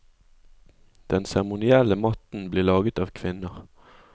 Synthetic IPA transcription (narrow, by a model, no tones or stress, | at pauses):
d̪̥ɛnsæʁəmʊnɪɛləmɑt̪n̩bliːʁlɑːɡət̪ɑːʋkʰʋɪnəʁ